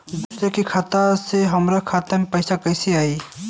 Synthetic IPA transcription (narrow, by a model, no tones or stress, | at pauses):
d̪usɾakikʰaːt̪aseɦɐmɾakʰaːt̪amẽpɐɪsakɐɪseaːi